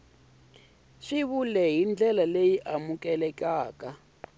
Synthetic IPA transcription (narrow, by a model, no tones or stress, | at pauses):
ʂiβulɛɦind͡ɮʱɛlalejiʔamukʼɛlɛkʼaːka